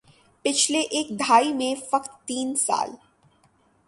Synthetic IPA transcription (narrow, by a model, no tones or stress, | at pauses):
pɪt͡ʃʰleʔeːk̚d̪ʱaːimẽfɐqt̪ːiːnsa̰ːl